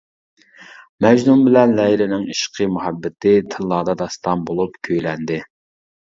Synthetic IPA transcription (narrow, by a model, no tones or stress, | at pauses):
mɛd͡ʒnumbɪlɛnlɛilɪnɪŋiʃqʰəmuhɛbːɪt̪ɪt̪ʰɪlˠːɑːd̪ɑd̪ɑst̪ɑmbolˠupkʲʰøjlɛnd̪ɪ